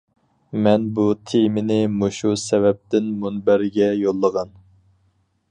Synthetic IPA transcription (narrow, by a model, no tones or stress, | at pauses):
mɛnbut̪ʰemɪnɪmoʃusɛvɛp̚t̪ɪnmunbæɾɡʲɛjolˠːəʁɑn